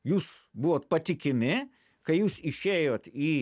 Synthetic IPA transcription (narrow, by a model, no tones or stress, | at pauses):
juːsbʊʋoːt̪pɐt̪ʲɪkʲɪmʲɪ | kɐɪjuːsɪʃʲeːjoːt̪iː